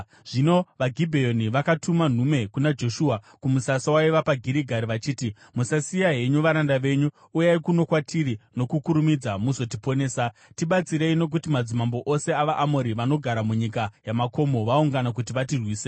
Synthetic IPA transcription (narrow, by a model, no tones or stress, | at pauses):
ʐ̥ino̞ʋaɡʱibʱejo̞niʋakatʰuman̤ume̞kunad͡ʒo̞ʃuːa | kumusasawaiʋapaɡʱiɾiɡʱaɾiʋat͡ʃiːti | musasijaɦe̞ɲuʋaɾandaʋe̞ɲu | ujaikuno̞kwatʰiɾino̞kukuɾumid͡zamuso̞tipo̞ne̞ːsatiɓat͡siɾe̞ino̞k̬utimad͡zimambo̞ʔo̞se̞aʋaʔamoɾiʋano̞ɡʱaɾamuɲikajamako̞mo̞ʋauŋɡanak̬ut̬iʋatirwiːse